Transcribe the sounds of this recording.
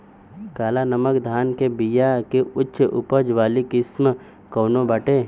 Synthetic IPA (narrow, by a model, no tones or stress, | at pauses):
kaːlanɐməkd̪ʱaːnkebijakeʊtːʃəʔʊpəd͡ʒʋaːlikɪsm | koːnõbəʈeː